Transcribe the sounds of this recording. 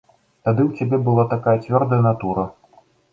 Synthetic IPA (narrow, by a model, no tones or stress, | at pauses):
t̪ad̪ɨwt͡sʲabʲɛbɨlˠat̪akajɐt͡sʲvʲɔrd̪əjɐnat̪uɾɐ